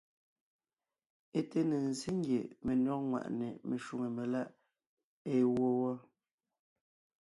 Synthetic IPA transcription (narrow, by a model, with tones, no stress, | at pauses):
e˦te˦nə˨n˨si˦ŋ˦ɡje˨me˨nɔ˦ŋwa̰˨ʔne˨me˨ʃu˨ŋe˨me˨la˦ʔ | e˦˨wɔ˦wɔ˦